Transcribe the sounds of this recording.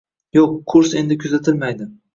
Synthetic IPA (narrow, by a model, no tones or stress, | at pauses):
joqʰːʊɾse̞nd̪ɪkʲʰɵzat̪ʰɪlmajd̪ɪ